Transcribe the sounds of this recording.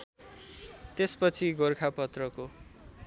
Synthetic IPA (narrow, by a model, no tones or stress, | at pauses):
t̪espʌt͡sʰiɡorkʰapʌt̪rʌko